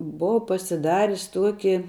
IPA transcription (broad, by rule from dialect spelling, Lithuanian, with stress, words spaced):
ˈboːʋɐ pɐsʲɪˈdɑːrʲɪs ˈtuɔkʲɪ